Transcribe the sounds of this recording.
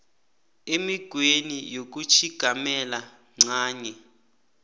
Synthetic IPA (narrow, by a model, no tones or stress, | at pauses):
emiɡ̥ʱwenijok̬ut͡ʃʰiɡ̥ʱamɛla | ŋ͡ǀaːɲɛ